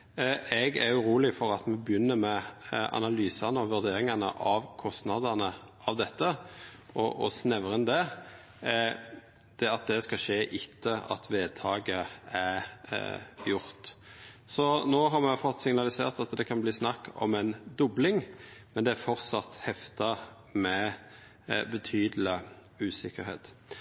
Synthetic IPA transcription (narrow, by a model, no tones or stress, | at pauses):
ɛɡæ̰ɾjʊɾuːlɪfɔɾɑt̪mɛbjʏnːəmɛɑ̰nɑlyːsɑnəɔʋʉʁd̪eːɾɪŋɑnə̰ʔɑʋkʰɔst̪nɑd̪ɑnəʔɑʋd̪ɛt̪ʰːə | ʔɔ̰ʔɔ̰snɛʋəɾənd̪ɛ | d̪̥ɛɑt̪̚d̪ɛskɑʃeːʔɪt̪ʰːəɑ̰t̪ʰʋeːd̪̚t̪ʰɑːɡəæɾ | jʊɾt̪sɔnoːɦɑɾmɛfɔt̪ːsɪŋnɑlɪseːʁt̪ɑt̪d̪ɛkʰɑnbliːsnɑkːɔ̰mɛnd̪ʊblɪŋmɛnd̪ɛæɾfɔʁt̪sɑt̪hɛft̪ɑʁ | mɛ | bət̪ʰyːd̪l̩ɪ | ʉːsɪkəɾhḛːt̪